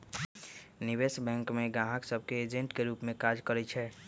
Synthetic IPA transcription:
nɪʋesbɛ̃ŋkmẽɡãɦəksəb̚ʱkeːd͡ʒẽɳʈkeɾuːpmẽkad͡ʒkəɾɛt͡ʃʰɛː

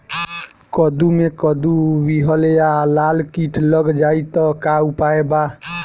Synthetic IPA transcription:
kəd̪umekəd̪ubiɦəljalalkiʈʰləɡd͡ʒait̪ɔkaupaeba

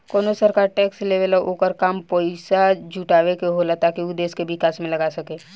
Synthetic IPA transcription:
koːnosəɾkaːɾʈɛːksleːʋəlʔoːkəɾkaːmpoːɪsad͡ʒʱuʈaːʋekeɦoːlat̪akiʊd̪eːskeʋɪkaːsmẽlɐɡaːsɐkeː

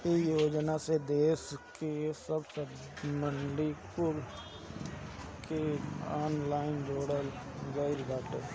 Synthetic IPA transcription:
ɪjoːd͡ʒnased̪eːskesəbsə | məɳɖikʊl | keaːnlaːɪnd͡ʒoːɽəl | ɡəɪɾɡaːʈeː

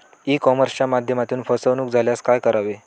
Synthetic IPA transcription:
ikɔməɾst͡ɕjamad̪ʱjəmat̪uːnfəsəʋnuːk̚d͡zʱaljaskajkəɾaʋe

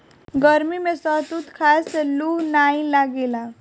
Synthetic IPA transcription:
ɡəɾmimẽsət̪uːt̪kʰaslunaĩlaɡela

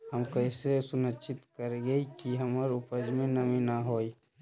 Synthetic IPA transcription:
həmkəɪsesʊnət͡ʃɪt̪kəɾɡɐikiɦɐməɾʊpəd͡ʒmẽnɐminaɦoːi

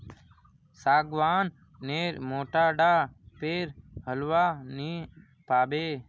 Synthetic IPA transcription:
saːɡʋaːnː | eːɾmoːʈaːɖaːpeːɾɦəlʋaːniː | paːbeː

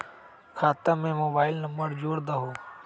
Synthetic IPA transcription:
kʰaːt̪amẽːmoːbaːɪlnəmbəɾd͡ʒoːɾd̪aɦoː

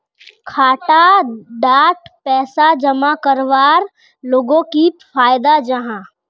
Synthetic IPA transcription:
kʰaːʈaɖ̪aːʈpɛːsad͡ʒɐmakəɾʋaːɾ | loːɡõkifʰaːjd̪ad͡ʒəɦãː

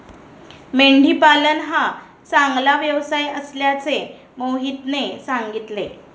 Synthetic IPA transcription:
meɳɖʱiːpalənɦa | t͡saŋɡlaʋjəʋsajəsljat͡se | moɦit̪nesaŋɡit̪le

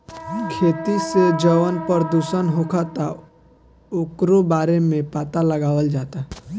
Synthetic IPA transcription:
kʰeːt̪ised͡ʒəʋənpəɾd̪uːsənɦoːkʰat̪a | okɾobaːɾemẽpaːt̪aləɡaːʋəld͡ʒaːt̪a

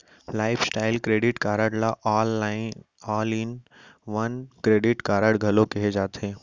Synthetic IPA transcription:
laːɪpʰsʈaːɪlkɾeːɖɪʈkaːɾəɽlaʔɔːlɪ | aːlin | ʋɐnkɾeːɖɪʈkaːɾəɽɡʱɐlõkɛɦed͡ʒaːt̪ẽː

